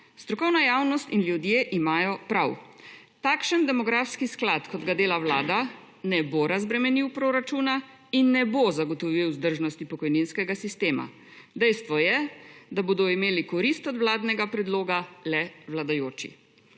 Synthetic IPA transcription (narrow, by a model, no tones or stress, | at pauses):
st̪ɾɔkɔwnajaːwnɔst̪inljud̪jeːʔimaːjɔpɾaw | t̪aːkʃənd̪ɛmɔɡɾaːfskisklat̪kɔd̪ɡad̪eːlawlaːd̪a | nɛboɾazbɾɛmɛniwpɾoːɾat͡ʃuːna | inːɛbozaɡɔt̪ɔʋiwzd̪əɾʒnɔst̪ipɔkɔjninskɛɡasist̪eːma̰ | d̪ɛjst̪ʋɔjɛd̪aboːd̪ɔimeːlikɔɾist̪ɔd̪ʋlaːd̪nɛɡapɾɛd̪loːɡalɛwlad̪ajoːt͡ʃḭ